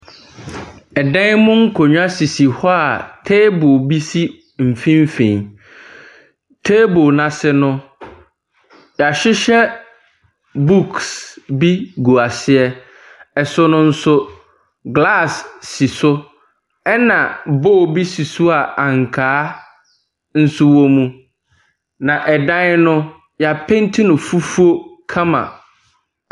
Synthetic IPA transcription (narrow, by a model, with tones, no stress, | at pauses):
ɛ˨dɛ̃˦ŋmʊ̃˦ŋ̩˦kʰo˨ɲᶣ˦a˦si˨si˨hɔ˦a˨tʰe˦bo˨bi˦si˦ | m̩˨fĩ˦m̩˦fẽ˨ɲ | tʰe˦bo˨nã˨sɪ˦nʊ̃˦ | ja˨ɕᶣɪ˦ɕɛ˦ | bu˦ksbi˦ɡu˨a˨sɪ˦ɛ˦ | ɛ˨sʊ˦nʊ̃˦n̩˦sʊ˦ | ɡla˦˨sːi˨sʊ˦ | ɛ˦nã˨bo˦˨bi˦si˨su˦a˨a˨ŋ˨kʰaː˦ | n̩˦su˦wo˦mũ˦ | nã˨ʔɛ˨dã˦nɪ˦nʊ̃˦ | ja˨pʰẽ˦n˦tʰɪ̃˦nʊ̃˨fu˦fu˦o˦kʰã˦mã̰˨